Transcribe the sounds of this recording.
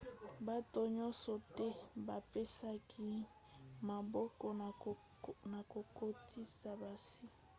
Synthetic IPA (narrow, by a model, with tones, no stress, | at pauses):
ba˦to˨ɲɔ̃˦nsɔ˨tɛ˦ba˨pe˦sa˦kʰi˦ | ma˨bɔ˦kɔ˨ | na˨ko˨ko˦tʰi˦sa˨ba˨si˦